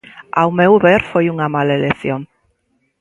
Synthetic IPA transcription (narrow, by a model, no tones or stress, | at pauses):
awmewβeɾfojuŋamaleleθjoŋ